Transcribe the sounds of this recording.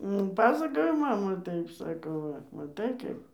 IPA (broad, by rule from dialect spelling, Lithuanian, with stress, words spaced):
nʊ ˈpɑːsɐkoːjoː ˈmɑːmɐ ˈtɐɪp ˈsɑːkoː ˈʋɐ mɐˈtɐɪ ˈkɐɪp